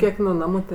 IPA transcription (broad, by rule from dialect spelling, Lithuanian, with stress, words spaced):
ˈkʲiɛk nʊ ˈnɑːmʊ ˈtʲeː